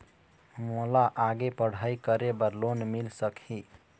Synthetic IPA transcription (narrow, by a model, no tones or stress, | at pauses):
molaʔaɡepəɽ̤ajkəɾebəɾlonmilsəkʰi